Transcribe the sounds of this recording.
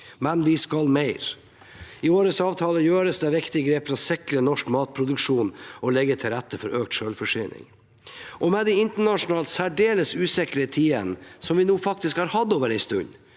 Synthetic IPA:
mɛnʋɪskɑlmæɪɾ | ɪoːɾəsɑːʋt̪ʰɑːləjøːɾəsd̪ɛʋɪkt̪ɪɡɾeːpfɾɑsɪkɾənɔʂkmɑːt̪̚pʰɾʊd̪ʉkʂuːnɔlɛɡːət̪ʰɪlɾɛt̪ːəfɔɾøːk̚t̪ʃøːlfɔʂyːnɪ̰ŋ | ʔɔmɛd̪ɛɪnt̪əɳɑʂʊnɑːlt̪sæɖeːləsʉːsɛkəɾət̪ʰiːə̰nsɔmʋɪnuːfɑk̚t̪ɪskhɑːɾhɑd̪oːʋəɾæɪst̪ʉ̰ɲː

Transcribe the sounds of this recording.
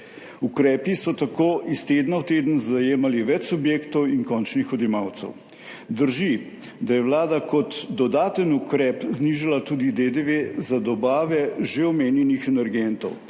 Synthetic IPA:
ukɾɛːpisɔt̪akoːʔist̪eːd̪nawt̪eːd̪ən̩zajeːmaliʋɛt͡ʃsubjeːkt̪ɔwiŋkɔnt͡ʃnixɔd̪jɛmaːwt̪sɛ̰w | d̪əɾʒi | d̪ajɛʋlaːd̪akɔt̪d̪ɔd̪aːt̪ənukɾɛːpzniʒalat̪uːd̪id̪ed̪eʋezad̪ɔbaːʋɛʒeɔmeːnjɛnixɛnɛɾɡɛnt̪ɔ̰w

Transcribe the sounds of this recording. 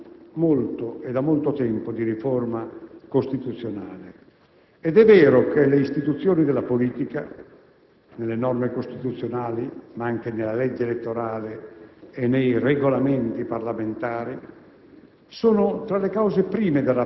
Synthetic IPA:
molt̪oed̪amːolt̪ot̪ɛmpod̪iɾiformakost̪it̪ut̪sːjonaːle | ɛd̪ɛvːɛːɾokeleist̪it̪ut̪sːjoːnid̪elːapoliːt̪ika | nelːenɔrmekost̪it̪ut̪sːjonaːlimaaŋk̟enelːalɛd͡ʒːeelet̪ːoɾaːleː | nːejreɡolament̪iparlament̪aːɾi | soːnot̪ɾalekawzepɾiːmed̪elːa

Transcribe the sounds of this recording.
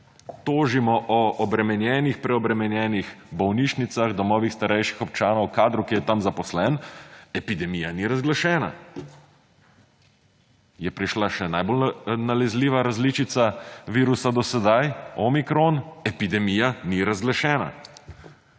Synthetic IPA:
t̪oːʒimɔʔɔɔbɾɛmɛnjɛːnixpɾɛɔbɾɛmɛnjɛːnixbɔwniʃnit̪saɣd̪ɔmɔːʋixst̪aɾɛjʃi̥xɔp̚t͡ʃaːnɔwkaːd̪ɾukijɛt̪amzapɔslɛnɛpid̪ɛmijaniɾazɡlaʃɛːna̰ | jɛpɾiʃlaʃɛnajbolnalɛzliːʋaɾazliːt͡ʃit̪saʋiːɾusad̪ɔsɛd̪ajɔmikɾonɛpid̪ɛmijaniɾazɡlaʃɛːna̰

